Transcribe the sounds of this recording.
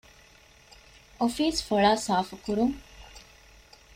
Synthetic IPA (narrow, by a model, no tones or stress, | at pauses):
ʔofiːsfoɭaːsaːfukuɾuŋ